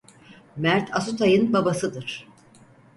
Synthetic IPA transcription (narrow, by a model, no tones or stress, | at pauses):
mæɾt̪ʰasut̪ʰajɯnbabasɯd̪ɯɾ̥